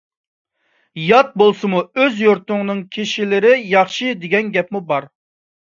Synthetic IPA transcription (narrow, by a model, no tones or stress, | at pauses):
jɑt̪̚bolˠsɨmuøzjoɾt̪ʊŋnɨŋkʲʰiʃilɪɾɪjɑχʃɨd̪eɡʲɛnɡʲɛp̚mubɑɾ